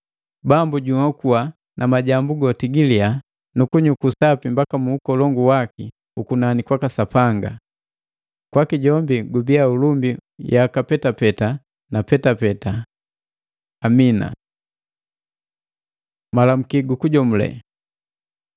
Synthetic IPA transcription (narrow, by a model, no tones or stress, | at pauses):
bambuɟumakuwa | nʔamaɟambuɡɔtiɡilia | nukuɲukusapimbakamuːkɔlɔŋɡuwaki | ukunanikwakasapaŋɡa̰ | kwakiɟɔmbiɡubiaulumbijakapɛtapɛta | napɛtapɛta | mina̰ | malam̩kiɡukuɟɔm̩lɛ̰